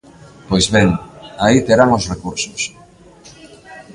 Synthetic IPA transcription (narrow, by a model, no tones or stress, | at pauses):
pojzβeŋait̪eɾaŋosrekuɾsʊs